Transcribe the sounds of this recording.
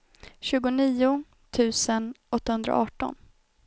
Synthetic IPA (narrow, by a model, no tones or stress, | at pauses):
ɕʉ̟ːɡʊniːʊ | t̪ʰʉ̟ːsən | ɔt̪ːahɵnd̪ɾa̰ʔɑːʈɔ̰n